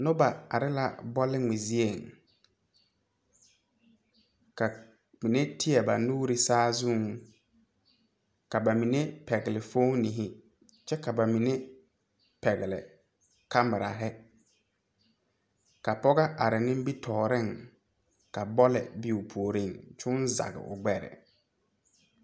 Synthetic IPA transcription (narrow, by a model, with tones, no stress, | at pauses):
nʊ˦ba˨a̰˨ɾɪ˦la̰˨bɔ˦lɪ˦ŋi˨zi˦e˨ŋ | ka˨ | mi˨ne˦tɪ˦ɛ˨ba˨nuː˦ɾi˦saː˦zu˦˨ŋ | ka˨ba˨mi˨ne˦pɛ˨ɡɪ˨lɪ˨foː˦ni˨ɦɪ˦ | t͡ʃɛ˦ka˨ba˨mi˨ne˦ | pɛ˨ɣɪ˨lɪ̰˨ | ka˦mɪ˨ɾa˨ɦɛ˦ | ka˨pɔ˦ɣa˦ʔa˨ɾɪ˨nɪ̃˦m˦bi˦tʰɔː˨ɾɪ˦˨ŋ | ka˨bɔ˦lɛ̰˨bi˦u˨pʰo˨o˨ɾi˦˨ŋt͡ʃʊ˦nza̰˨ɣɪ̰˨ʔʊ̰˨ɡ͡bɛ˨ɾɛ̰˨